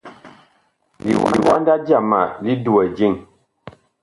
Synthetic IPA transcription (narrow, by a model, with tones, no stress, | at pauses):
lḭ˨wḭ˨wa˦nda˦d͡ʒja˦˨ma̰˨li˦du˨ə˨d͡ʒi˦˨ŋ